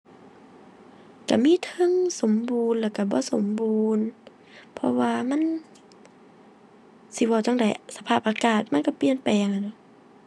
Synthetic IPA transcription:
ka̰˧˩miː˧˥˨t̪ʰɤ˧˥˨ŋso˨˦mbuː˨˧nlɛː˧˩ka˧˩bɔː˧˦so˨˦mbuː˨˧n | pʰɔ̰˧waː˧ma˧˥˨n | si˧˦wɔː˧˩t͡ɕɔ˧˨ŋda˨˩jsa˧pʰaː˧˩p̚ʔaː˧kaː˨˩t̪̚ma˧˥˨nka˧˩pi˧˨ənpa˨jʔa˧˩ŋa˧˩jdɔ˧˦

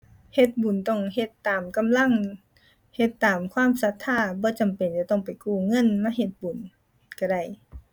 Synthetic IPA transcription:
he˧t̪̚bu˨˩nt̪ɔ˧˩ŋhe˧t̪ːaː˨˩mka˨mla˧˥˨ŋ | he˧t̪ːaː˨˩mkʰwaː˧˥˨msa˧˥t̪ʰːaː˧˥˩bɔː˧˦t͡ɕa˨mpe˨nt͡ɕa˧˦t̪ɔ˧˥˩ŋpa˨˩jkuː˧˩ŋɤ˧˥˨nmaː˧˥˨ɦe˧t̪̚bu˨˩n˧ | ka˧˩ɾa˧˩j

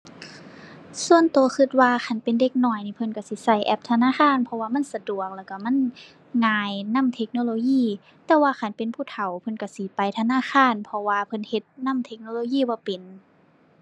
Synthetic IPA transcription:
su˧˨ənt̪u˨ə˦xʰɯ˧t̪̚waː˧xʰa˧˩npe˨nde˧k̚nɔː˧˩jniː˧˩pʰɤ˧˥nka˧˩si˧˦sa˧˩jʔɛ˧˦p̚t̪ʰa˧naː˧˥˨kxʰaː˧˥˨npʰɔ˧waː˧˨ma˧˥˨nsa˧du˨˩ək̚lɛː˧˩wka˧˩ma˧˥˨n | ŋaː˧jna˧˥˨mt̪ʰe˧˥k̚noː˧loː˧˦jiː˧˥˩ | t̪ɛː˧waː˧xa˧˨˩npe˨npʰuː˧˩t̪ʰa˨˩wpʰɤ˧˨nka˧˩si˧˦pa˨jt̪ʰa˧naː˧˥˨xʰaː˧˥˨npʰɔ˧waː˧pʰɤ˧˥nhe˧˦t̪̚na˧˥˨mt̪ʰe˧˥k̚noː˧˨loː˧˦jiː˧˥˨bɔː˧˦pe˨n

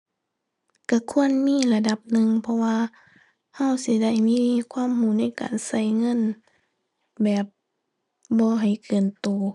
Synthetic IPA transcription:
ka˧˩kʰu˧˨ənmiː˧˥˨la˧da˧˩p̚nɯ˧˨ŋpʰɔ˧waː˧ | ha˧˩˨wsi˧˦da˧˩jmiː˧˥˨kʰwaː˧˥˨mhuː˧˩na˧˥˨jka̰ː˨nsa˧˩jŋɤ˧˥˨n | bɛː˨˩p̚ | bɔː˧˦ɦa˨˩jkɤː˨˩nt̪uː˨˩

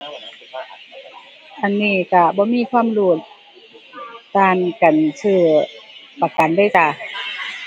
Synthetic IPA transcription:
ʔa˧˨nːiː˧˩˨ka˧˩bɔː˧˦miː˧˥˨kʰwaː˧˥˨mluː˧˩t̪̚ | aː˧nka˨nsʰɯː˧˩ | pa˧˩ka˨ndaː˧˥˨jka˧˩

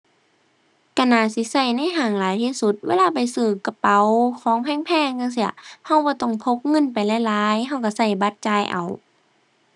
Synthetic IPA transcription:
ka˧˩naː˧˩si˧˦sa˧˩jna˧˥˨jɦaː˨˩ŋlaː˨˦jt̪ʰiː˧˨su˧˦t̪̚weː˧˥˨laː˧˨pa˨jsɯː˧˩ka˧pa˨˦wkʰɔː˨˦ŋpʰɛː˧˥˨ŋpʰɛː˧˨ŋka˧˨s̬i˧˩ɐha˧˩wbɔː˧˦t̪ɔ˧˩ŋpʰo˧p̚ŋɤ˧˥˨npa˨jla˧˨jlaː˨˦jɦa˧˩wka˧˩sa˧˩jba˧˦t̪̚t͡ɕaː˧˩jʔa̰˨˩w

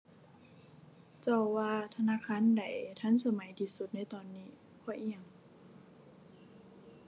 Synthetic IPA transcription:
t͡ɕɔ˧˩wwaː˧t̪ʰa˧naː˧˥˨kʰaː˧˥˨nda˨˩jt̪ʰa˧˥˨nsa˧ma˨˦jt̪ʰiː˧su˧t̪̚na˧˥˨jt̪ɔː˧˩nːiː˧˩˨ | kʰɔː˧˩˦ʔi˧ə˨ŋ

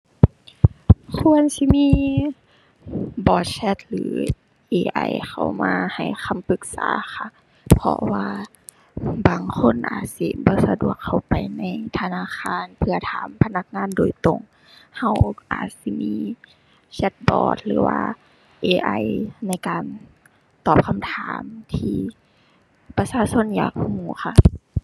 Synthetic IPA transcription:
kʰu˧˥ənsi˧˦miː˧˥˨ | bɔː˨˧˩t̪̚sɛ˧˥t̪̚lɯ̰ː˨˦ | ʔeː˧ʔa̰˧˩jxa̰˧˩wmaː˧ha˨˩jxʰa˧˥˨mpɯ˧˦k̚sa̰ː˨˦xa˧˩ | pʰɔ̰˧waː˧ | baː˨ŋkʰo˧˥˨nʔa̰ː˨˩t̪̚si˧˩bɔː˧˦sa˧du˨˩ək̚ʰːa˨˩wpa˨˩jna˧˥˨jt̪ʰa˧naː˧˥˨xaː˧˥˨npʰɯ˧ɐt̪ʰaː˨˦mpʰa˧na˧˥k̚ŋaː˧˥˨ndoː˨˩jt̪o˧˩ŋ | ha˧˩wʔa̰ː˨˩t̪̚si˧˦miː˧˥ | sa˧˥t̪̚bɔ̰ː˨˩t̪̚lɯː˨˦wa̰ː˧ | ʔeː˧ʔa˧˩jna˧˥˩jkaː˨n | t̪ɔː˨˩p̚kʰa˧˥mt̪ʰaː˨˦mt̪ʰiː˧ | pa˧saː˧˨so˧˥˨nja̰ː˨˩k̚huː˧˩xa˧˩ʔ

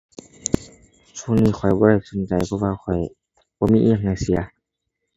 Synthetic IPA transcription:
t͡ɕʰu˧˨niː˧˨xʰɔ˨˩jbɔː˧ɾa˧˩jso˨˦nt͡ɕa˨˩jpʰɔ˧˨waː˧kʰɔ˨˩j | bɔː˧miː˧ʔi˧˨ŋna˧˩jsi˨˦ɐ

